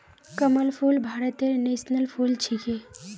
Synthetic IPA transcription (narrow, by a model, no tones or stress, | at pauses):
kəməlpʰulbʱaːɾət̪eɾneːsnəlpʰult͡ʃʰike